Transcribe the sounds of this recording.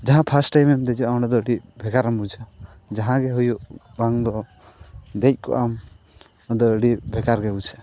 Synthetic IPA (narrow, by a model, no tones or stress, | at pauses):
d͡ʒaɦãpʰasʈajmɛmd̪ɛd͡ʒɔawnad̪ɔəɖibʱɛɡaɾambud͡ʒʰa | d͡ʒaɦãɡɛɦujuʔbaŋd̪ɔ | d̪ɛc̚ˀkɔ̰ʔam | d̪ɔəɖibʱɛɡaɾɡɛbud͡ʒʰa